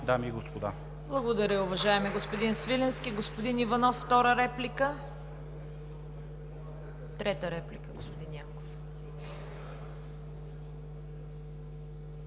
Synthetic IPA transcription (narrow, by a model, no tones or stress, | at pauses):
d̪amiːɡospod̪a | blˠɐɡod̪ɐɾʲəʊvɐʒaɛmiɛɡospod̪insvilɛnskʲiɡospod̪inivɐnɔfːt̪ɔɾəɾɛplikə | t̪ɾɛt̪əɾɛplikəɡospod̪injaŋko̥f